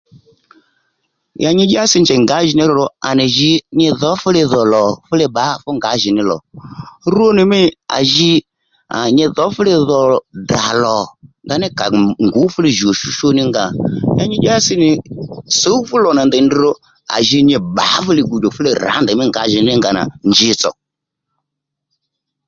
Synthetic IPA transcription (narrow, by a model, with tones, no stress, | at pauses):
ja˧ɲɪ˧d͡ʒɪ˦a˦sɪ˧nd͡ʒɛ˨ŋɡa˨˦ʒi˨nɪ˦ɾɔ˧ɾɔ˨˧a̰˨nɪ˨ʒi˧ɲɪ˧ðɔ˨˦fʊ˦lɪ˧ðɔ˨lɔ˨fʊ˦le˧ɓa˨˦fʊ˦ŋɡa˨˦ʒɪ˨nɪ˦lɔ̰˨ɾu˦o˦nɪ˨mɪ˦a̰˨ʒi˧ | a̰˨ɲɪ˧ðɔ˨˦fʊ˦lɪ˧ðɔ˨da˨lɔ˨nda˧nɪ˦ka˨ŋɡʊ˨˦fʊ˦lɪ˧ʒi˨o˨ʃu˦ʃo˦nɪ˦ŋɡa˧˨ɲa˦ɲɪ˦ɗa˦sɪ˦nɪ˨so˨˦u˦fʊ˦lɔ˨na˨ndɛ˨n˦i˧ɾɔ˧ | a̰˨ʒi˧ɲɪ˧ba̰˨˦fʊ˦lɪ˧ɡu˨d͡ʒo˨fʊ˦le˧˨ɾa̰˨˦ndɛ˨mɪ˦ŋɡa̰˨˦ʒɪ˨nɪ˦ŋɡa˨na̰˨nd͡ʒɪ˧t͡sɔ̰˨